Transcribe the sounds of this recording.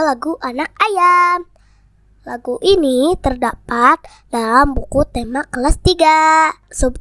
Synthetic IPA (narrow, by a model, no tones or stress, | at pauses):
laɡuʔanak̚ajam | laɡuʔinit̪ərdapat̪̚ | dalambukut̪emakəlast̪iɡasob